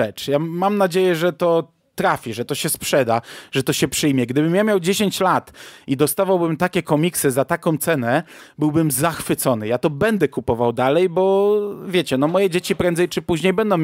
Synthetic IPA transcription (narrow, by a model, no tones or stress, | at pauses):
ɛt͡ʂjamamnad͡ʑejɛʐɛt̪ɔ | t̪ɾafʲiʐɛt̪ɔɕɛspʂɛd̪aʐɛt̪ɔɕɛpʂɘjmʲjɛɡd̪ɘbɘmjamʲjawd͡ʑeɕeɲt͡ɕlat̪id̪ɔst̪avawbɘmt̪akʲɛkɔmʲiksɘzat̪akɔ̃w̃t̪sɛnɛ | bɘwbɘmzaxfɘt̪sɔnɘjat̪ɔbɛnd̪ɛkupɔvawd̪alɛjbɔvʲjeɛt͡ɕɛnɔmɔjɛd͡ʑet͡ɕipɾɛnzɛjt͡ʂɘpuʑɲejbɛnd̪ɔ̃w̃